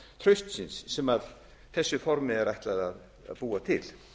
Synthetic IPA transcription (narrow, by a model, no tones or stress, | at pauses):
t̪ʰɾœɥst̪sɪnsːɛmað | θɛsːʏfɔɾmɪɛɾajht̪laðað | a̰ðpuːat̪ʰɪ̰l